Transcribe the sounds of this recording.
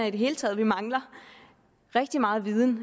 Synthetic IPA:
æid̥e̝ɦe̝ːlət͡sʰɛ̰ːð̞̩ˠʋimɑ̈ŋlɐ | ʁɛɡ̥̚d̥imɑ̈ːð̩ˠʋið̞ˠn̩

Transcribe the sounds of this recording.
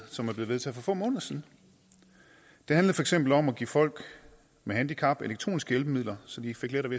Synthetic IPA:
sɒ̽mæɐb̥le̝ːeð̞ˠt͡sʰɛð̩̰ˠfɒ̽fɔ̰mɔ̽ːnðˠɐsiðˠn̩ | d̥e̝hænləð̩ˠfɒ̽e̝ɡ̥sem̰b̥l̩ɒ̽mɒɡ̥ḭːfɒ̽l̰ɡ̥ | mehænd̥ikʰɑ̈b̥eleɡ̥̚t͡sʰʁo̰ːnisɡ̥əelb̥əmið̰ˠlɐsɒ̽d̥ife̝ɡ̥leɾ̥ɐʋe

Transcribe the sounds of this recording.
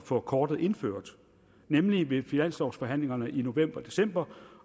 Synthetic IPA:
fɒ̽kʰɒːd̥ð̩ˠʔe̝nføɐ̰d̥ | nemliʋe̝finæn̰sd̥ɒʊ̥sfɒ̽ɦæn̰le̝ŋɐnəʔino̝ʋem̰b̥ɐd̥e̝sem̰b̥ɐ

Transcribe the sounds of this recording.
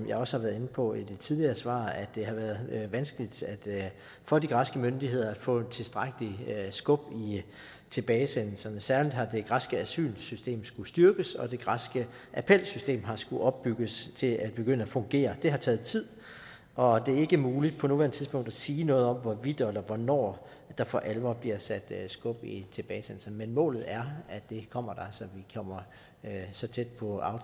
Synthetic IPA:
mjɑ̈ɪɒ̽səhɑ̈ʋæːɐðˠe̝n̩pʰɒ̽id̥e̝t͡sʰið̞ˠliɐːsʋɑ̰̈ːæd̥ːe̝ɦɑ̈ʋæːɐðˠʋænsɡ̥əlid̥æd̥ | fɒ̽d̥iɡ̥ʁɑ̈sɡ̥əmønd̥iɦe̝ð̞̰ˠɐæd̥fɔ̰̽ːent͡sʰe̝lsd̥ʁaɡ̥əlisɡ̥ɔ̽b̥i | t͡sʰe̝b̥ɛːɪsenl̩sɐnəsæɐlid̥ɦɑ̈d̥e̝ɡ̥ʁɑ̈sɡ̥əæsy̰ːlsysd̥e̝̰ːmsɡ̥usd̥yɐɡ̥əsɒ̽d̥e̝ɡ̥ʁɑsɡ̥əʔæpʰel̰sysd̥e̝̰ːmɦɑ̈sɡ̥uʔɒ̽b̥ːyɡ̥əst͡sʰe̝lʔæd̥̚b̥e̝ɡ̥øn̰əæfɔ̽ŋɡ̥e̝̰ːɐd̥e̝ɦɑ̈t͡sʰɛːð̞̩ˠt͡sʰið̞̰ˠ | ʔɒ̽d̥e̝æɐe̝ɡ̥əmuːlid̥pʰɒ̽nu̝ʋæɐnət͡sʰiðˠsb̥ɔ̽ŋ̰d̥æsiːnɔ̽ːð̞̩ˠɒ̽m̰ʋɒʋid̥ɒlɐʋɒnɒ̰ː | d̥ɑ̈fɒʔælʋɐb̥liɐsæd̥sɡ̥ɔ̽b̥it͡sʰe̝b̥ɛːɪsen̰l̩sɐnəmenmɔ̰̽ːlð̩ˠæɐæd̥e̝kʰɒ̽m̰ɐd̥ɑ̈sɒ̽ʋikʰɒm̰ɐ | øsɒ̽t͡sʰed̥̚pʰɒ̽ɑ̈ʊ

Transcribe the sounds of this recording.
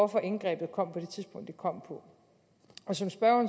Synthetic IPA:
ɒfɒ̽ʔe̝nɡ̥ʁɛ̰ːb̥ð̩ˠkʰɒ̽m̰pʰɒ̽d̥e̝t͡sʰiðsb̥ɔ̽ŋ̰d̥ikʰɒ̽m̰pʰɒ̽ | ɒ̽sɒ̽msb̥ɶɐɐn

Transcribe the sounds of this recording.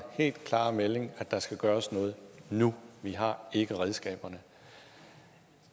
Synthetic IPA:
he̝̰ːld̥kʰlɑ̰̈ːmele̝ŋæd̥ɑ̈sɡ̥æɡ̥ɶːɐsnɔ̽ːð̞̩ˠnuʋiɦɑ̈e̝ɡ̥əʁɛð̞ˠsɡ̥ɛ̰ːb̥ɐnə

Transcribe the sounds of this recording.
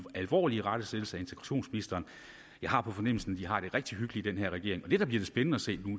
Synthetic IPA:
ælʋɒ̰ːliəʁɑ̈d̥əseðl̩səæe̝nt͡sʰeɡʁɑ̈ɕo̝̰ːnsminisd̥ɐːn | jɑ̈ɪɦɑ̈pʰɒ̽fɒ̽nem̰l̩sn̩d̥iɦɑ̈ɾ̥e̝ʁɛɡ̥̚d̥iɦyɡ̥əliid̥enɦeɐ̰ʁɛɡ̥e̝ɐ̰eŋɒ̽d̥e̝d̥ɑ̈b̥liɐd̥e̝sb̥enənəæse̝̰ːnu

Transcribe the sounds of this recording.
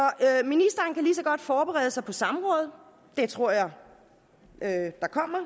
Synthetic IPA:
ɒ̽øminisd̥ɐːnkʰælisɒ̽ɡ̥ɒ̽d̥fɒːb̥eʁɛ̰ːð̞ˠəsɑ̈ɪpʰɒ̽sɑ̈məʁɔ̽ːð̞̩ˠ | d̥e̝t͡sʰʁo̝ɐ̰jɑ̈ɪ | ød̥ɑ̈kʰɒ̽m̰ɐ

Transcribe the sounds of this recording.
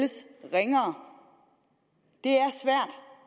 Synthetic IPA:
əsʁeŋɐː | d̥e̝æɐsʋæɐ̰d̥

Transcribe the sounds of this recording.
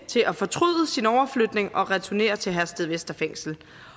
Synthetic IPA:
t͡sʰe̝lʔæfɒ̽t͡sʰʁyðˠəsinɒʊɐflød̥ne̝ŋɒ̽ʁɛt͡sʰune̝̰ːɐt͡sʰe̝ɦæsd̥ð̩ˠʋesd̥ɐfeŋ̰sl̩

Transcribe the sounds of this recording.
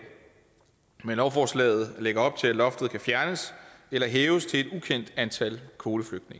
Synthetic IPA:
menlɒʊfɒːslɛ̰ːð̞̩ˠleɡ̥ɐɒ̽b̥̚t͡sʰe̝læ̥lɒ̽fd̥ð̩ˠkʰæfjæɐnəselɐɦeːʊəst͡sʰe̝e̝d̥ukʰen̰d̥ænt͡sʰælkʰo̝ːləfløɡ̥̚d̥ne̝ŋɐ

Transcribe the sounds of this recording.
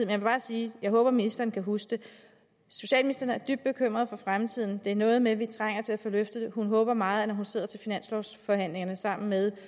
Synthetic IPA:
ð̩ˠmenjɑ̈ʋeb̥ɑ̈ːsiːjɑ̈ɪɦɔ̽ːb̥ɐminisd̥ɐːn̩kʰæɦusd̥e̝ | so̝ɕɛ̰ːlminisd̥ɐːn̩æɐd̥yb̥̚d̥̚bekʰøm̰ʁɐðˠfɒ̽fʁamt͡sʰið̰ˠn̩d̥e̝æɐnɔ̽ːð̞̩ˠmeʋit͡sʰʁaŋ̰ɐt͡sʰe̝læfɒ̽løfd̥əd̥eɦunɦɔ̽ːb̥ɐmɑ̈ːð̞̩ˠænɒɦunse̝ð̰ˠɐt͡sʰe̝lfinæn̰slɒʊsfɒ̽hæn̰le̝ŋɐnəsɑ̈m̰n̩með̞ˠ

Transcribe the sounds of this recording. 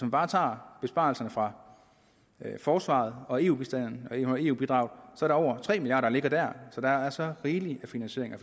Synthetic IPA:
smæmb̥ɑ̈ːt͡sʰɑ̰̈ːb̥e̝sb̥ɑ̰̈ːlsɐnəfʁɑ̈ | fɒːsʋɑ̰̈ːð̞̩ˠɒ̽e̝ːṵːbisd̥æn̰n̩ɒe̝ːṵːb̥id̥ʁɑ̈ʊð̩ˠsɒɐɾɑ̈ɒ̰ʊ̰ɐt͡sʰʁɛ̰ːmiljɑ̰ːɾɐle̝ɡ̥ɐd̥æɐ̰sɒ̽d̥ɑæɐsɒ̽ʁiːliæfinænɕe̝ɐ̰e̝ŋæ

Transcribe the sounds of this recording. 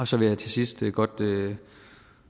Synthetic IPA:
ɒ̽sɒ̽ʋe̝jɑ̈t͡sʰe̝sisd̥əɡ̥ɒ̽d̥ø

